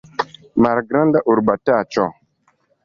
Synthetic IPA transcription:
maɾɡɾandaʔuɾɓatat͡ʃɔ

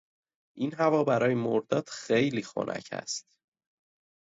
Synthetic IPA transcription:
ʔinɦævɒːbæɾɒːjemoɾd̪ɒːd̪̥xe̞jliːxo̰nʔæ̰cʰæ̰st̪

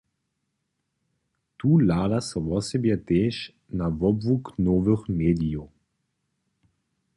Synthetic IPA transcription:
t̪uːlaːd̪asɔvɔsɛbjɛt̪eːʃ | navɔbvuknɔːvəxmeːd̪ijo

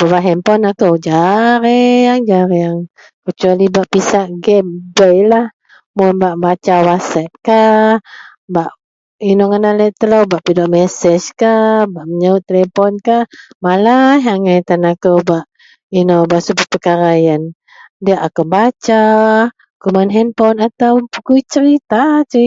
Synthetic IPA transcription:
b̥abaʔɦɛmpɔnakəwd͡ʒaɾeaŋd͡ʒaɾeaŋ | kət͡ʃualibaʔpisaʔɡɛmbəjlah | mʊnbaʔbat͡ʃawatsɛp̚ka | baʔ | inoŋənaləʔt̪ələwbaʔpidɔʔmɛsɛd͡ʒkabaʔməɲaʊt̪ːelepɔnkaʔmalaɦaŋajt̪anakowbaʔ | inobaʔsubəpəkaɾajan | diaʔakobat͡ʃa | kumanɦɛnpɔnat̪awpukuit͡ʃəɾit̪at͡ʃə

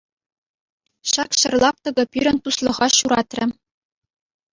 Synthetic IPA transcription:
ɕɑkɕɘ̆rlˠɑp̚t̪ɤ̆ɡɤ̆pʲyɾʲɘ̆nt̪uslˠɤ̆ʁɑɕuɾɑt̪rʲɘ̆

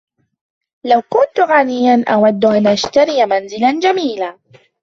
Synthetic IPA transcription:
lawkʊnt̪ɣaːnɪjːanʔawad̪ːʔanʔaʃt̪aɾɪjmanzɪlad͡ʒamiːlaː

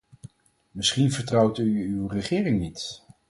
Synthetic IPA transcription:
mɪsχinvəɹtrɑwtyːwrəχɪːrɪŋnit

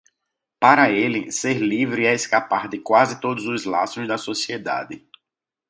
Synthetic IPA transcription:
paɾɐelɪseɾlivɾɪɛeskapaɾd̪ɪkwazɪt̪od̪ʊzʊzla̰sʊzd̪ɐsosied̪a̰d̪ɪ

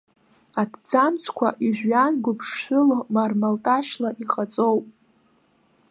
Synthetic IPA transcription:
adʰd͡zamt͡sʰkʷʰa̰ʔiʒᶣʷanɡʷʊpʰʂʃʷʊlmarmaltʼaʃlaʔiχʼat͡sʼowpʼ

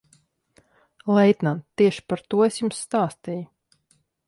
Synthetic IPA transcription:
lˠɛjt̪nant̪iɛʃi̥paɾt̪uɔesjumsːt̪aːst̪iju

